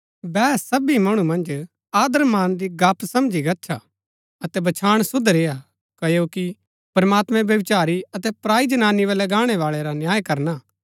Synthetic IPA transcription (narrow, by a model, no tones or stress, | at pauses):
bɛːsɐbimɐɽ̃ũmɐ̃nd͡ʒ | aːd̪əɾmaːnd̪iɡaːpsɐmd͡ʒiɡɐtːʃʰa | ɐt̪ɛbɐt͡ʃʰaːɽ̃sʊd̪ʱɾeːa | kɐjoki | pɾmaːt̪mɛ̃bjɐʋɪt͡ʃaːɾiɐt̪ɛpɾaːid͡ʒɐnaːniʋɛlɐɡaːɽ̃ɛʋaːɭɛɾanjaːjkɐɾna